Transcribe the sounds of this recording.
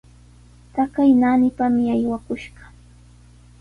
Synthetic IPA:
t̪akajnanɪpamɪajwakʊʃɢɑ̥

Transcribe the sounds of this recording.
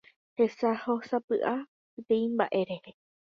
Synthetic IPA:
he̞sahosapɨʔa | pet̪ẽĩmba̰ʔe̞ɾe̞he

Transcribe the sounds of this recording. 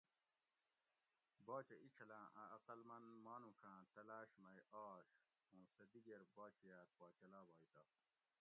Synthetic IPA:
baːt͡ɕeʔit͡ɕʰɐlãːʔɐɐqɐlmɐnmaːnũːkʰãːt̪ɐlaːɕmɐjaːɕ | ũːsɐd̪iɡeɾbaːt͡ɕijaːt̪̚paːt͡ɕɐlaːbaːit̪a

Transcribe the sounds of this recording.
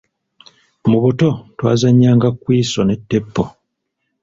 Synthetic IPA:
muβuto̞twa̰ːzaɲːaːŋɡakwiːso̞ne̞tːe̞pːo

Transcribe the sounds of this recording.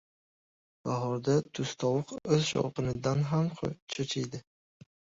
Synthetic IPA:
b̥aɦɒɾd̪at̪ʰʊst̪ʰɒwɨqɵzʃɒ̰wqɨnɪd̪anɦamqʰo̰t͡ʃʰot͡ʃʰɪjd̪ɪ

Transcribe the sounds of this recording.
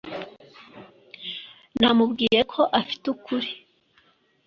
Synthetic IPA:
namubɡiːje̞kʰo̞ʔafi̥tukʰuɾi̥

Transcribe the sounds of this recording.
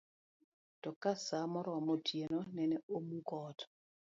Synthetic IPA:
tɔkasamɔɾɔmotʰjenonɛnɛomukɔːt

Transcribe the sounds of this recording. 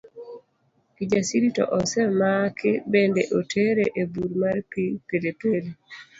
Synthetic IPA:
pid͡ʒasiɾitɔ̰ʔɔsɛmakɪbendeʔotʰeɾeʔebuɾmaɾpipedeteɾi

